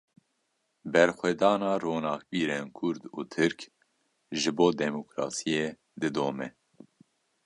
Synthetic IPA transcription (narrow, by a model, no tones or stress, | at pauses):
bɛɾxʷɛd̪ɑːnɑːroːnɑːkbiːɾeːnkʰʊɾd̪uːt̪ʰɨɾk | ʒɨboːd̪ɛmokɾɑ̰ːsijeː | d̪ɨd̪oːmɛ